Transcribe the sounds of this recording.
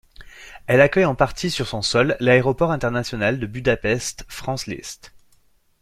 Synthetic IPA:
ɛlakʲœjɑ̃paʁt̪ʰisyʁsɔ̃sɔlːaeʁɔpɔʁɛ̃t̪ɛʁnasjɔnald̪əbyd̪apɛst̪fχɑ̃slḭst̪

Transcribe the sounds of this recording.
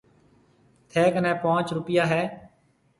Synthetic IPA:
t̪ʰɛːkənɛ̃ːpãːt͡ʃɾʊpɪjaːɦɛː

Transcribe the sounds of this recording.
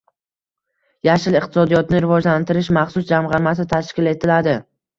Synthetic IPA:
jaʃɪlɪqt̪ʰɪ̥sɒd̪ijɒt̪nɪɾɪvɒd͡ʒlant̪ʰɪɾɪʃmaχsʊsd͡ʒamʁɑɾmas̬ɪt̪ʰaʃkʲɪle̞t̪ʰɪlad̪ɪ

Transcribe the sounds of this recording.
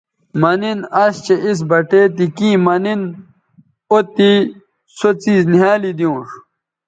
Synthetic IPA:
mɐninɐɕt͡ɕeʔis̬bɐʈeːt̪̬ikiːmɐnin | ot̪i | sot͡siːzniɦaːlid̪jõːʂ

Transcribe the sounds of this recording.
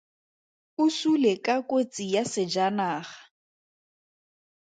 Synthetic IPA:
ʊsulekʼakʼot͡sʼijasɪd͡ʒanaːɣḁ

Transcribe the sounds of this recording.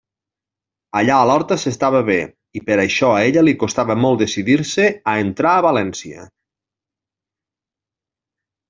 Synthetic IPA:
əʎaəlɔɾt̪əsest̪aβəβe | ipəɾəʃɔeʎəlikost̪aβəmɔlˠt̪d̪esiðiɾseəent̪ɾaːβalɛnsiə̰

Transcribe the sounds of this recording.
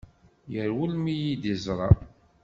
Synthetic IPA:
jəɾwulmijid̪izˤɾˤɑ

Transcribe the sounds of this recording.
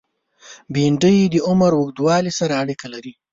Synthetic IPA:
biɳɖəjd̪əʊmaɾwʊɡd̪wɑlisaɾaːɽikalaɾi

